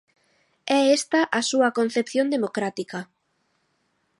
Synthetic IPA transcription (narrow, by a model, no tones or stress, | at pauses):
ɛest̪ɐʔasuɐkon̟θepθjond̪emokɾat̪ikɐ